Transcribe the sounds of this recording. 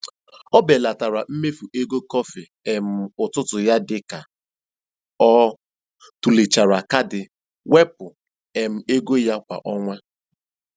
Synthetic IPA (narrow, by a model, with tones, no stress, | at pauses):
ɔ˦be˨la˨ta˨ɾa˨m̩˦me˦fu˨ʔe˦ɡo˦kɔ˦fɪ˨ | e˨m̩˨ʊ˨tʊ˦tʊ˨ja˦dɪ˦ka˨ | ɔ˦ | tu˨li˨t͡ʃa˨ɾa˨ka˦dɪ˨ | we˦pʊ˨ | e˨m̩˨e˦ɡo˦ja˦kʷa̰˨ʔɔ˦ŋʷa˦